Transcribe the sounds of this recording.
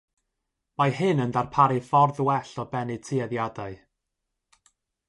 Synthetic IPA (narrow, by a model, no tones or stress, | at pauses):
majɦɨnəndarpʰaɾɨfɔrðwɛɬɔbɛnɨtʰiɛðjadaɨ